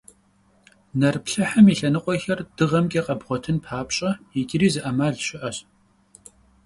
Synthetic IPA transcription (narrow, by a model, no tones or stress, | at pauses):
nɐrpɬɐħɐmiɬɐnɨqʷʼɔxɐrd̥ɨʁɐmkʼeqʼɐbʁʷɔtʰɨnpʰaːpɕʼɐjɪɡʲʼɪɾiːzɨʔɐmaːɮɕɪʔɐɕ